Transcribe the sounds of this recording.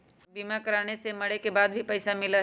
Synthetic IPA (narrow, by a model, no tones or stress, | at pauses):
biːmakɐɾaːñesemɐɽekebaːd̪̚bʱipɐɪsamɪla